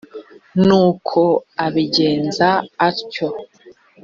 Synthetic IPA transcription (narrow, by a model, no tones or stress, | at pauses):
nuːkʰo̞aβiɟe̞ːnzaːɾco